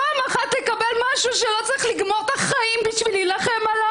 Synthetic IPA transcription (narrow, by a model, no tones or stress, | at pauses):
amaχat̪lekabelmaʃuʃelo̞t͡saʁiχliɡmo̞ʁt̪aχaimbiʃvililaχemala